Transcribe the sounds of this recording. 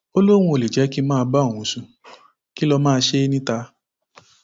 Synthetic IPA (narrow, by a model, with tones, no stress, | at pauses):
o˦lo˦ɾ̃ũ˧o˨li˨d͡ʒɛ˨˦ki˦mãː˦˧ba˦˨w̃ũ˨˦sũ˧ | ki˦lɔ˧mãː˦˧ʃe˦nĩ˦ta˧